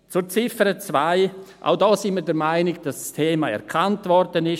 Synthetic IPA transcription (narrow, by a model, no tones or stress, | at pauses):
t͡sʊɾt͡sɪfəɾət͡svaɪʔa̰ʊdɔːsinməɾdɛɾmaɪnɪɡ̚d̥asstʰeːmaɛ̰ɾkʰantvɔɾd̥ənɪʃ